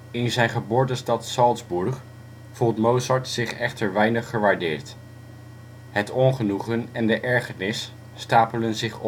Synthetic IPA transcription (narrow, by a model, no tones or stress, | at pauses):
ɪnzɛjnχəbʊːɹtəstɑtsɑlˠdzbuɹχ | v̥ulˠtmowsɑɹtsɪχɛχtəɹʋɛjnəχːəʋaːɹdɪːɹt | ɦətɔnχənuχənɛndəʔɛɹχənɪsː | taːpələnzɪχɔ